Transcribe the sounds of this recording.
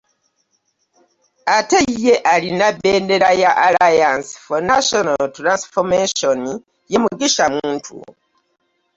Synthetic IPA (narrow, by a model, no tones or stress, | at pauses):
ateje̞ʔalinabe̞ːnde̞ɾajaʔalajansfonaʃonaltɾansfomeʃoni | je̞muɡiʃamuːntʰṵ